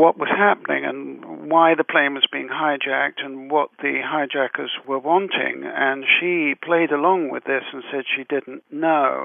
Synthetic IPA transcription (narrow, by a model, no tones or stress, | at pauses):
wʌʔ̚wʌz̥hæp̚ənɪ̰̃ŋɨ̰̃nwaɪðɨpʰl̥ẽɪ̃nwʌzbiɪ̃ŋɦaɪd͡ʒæk̚tʰɨ̃nwʌt̪̚ðɨɦaɪd͡ʒækə˞zwə˞wɑ̃ntʰɪ̰̃ŋɨ̃nʃipʰl̥eɪɾəlɔ̃ŋwɪ̰ðɪsn̩sɛd̥ʃidɪdⁿn̩noʊ